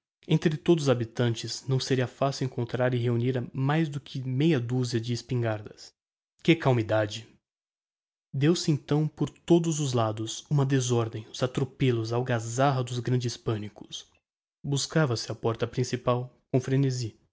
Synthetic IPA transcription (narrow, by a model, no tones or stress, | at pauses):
ẽnt̪ɾɪt̪od̪ʊzabit̪ɐ̃nt͡ʃɪznɐ̃w̃seɾiɐfasɪwẽŋkõnt̪ɾaɾɪɦeuniɾɐmajzd̪ʊkʰɪmejɐd̪uziɐd͡ʒɪːspĩŋɡaɾd̪ɐs | kɪkawmid̪ad͡ʒɪ | d̪ewsɪẽnt̪ɐ̃w̃poɾt̪od̪ʊzʊzlad̪ʊsũmɐd̪ezɔɾd̪ẽj̃ʊzat̪ɾopelʊzawɡazaɦɐd̪ʊzɡɾɐ̃nd͡ʒɪspɐ̃nikʊ̥s | buskavɐsɪɐpɔɾt̪ɐpɾĩsipawkõw̃fɾenezi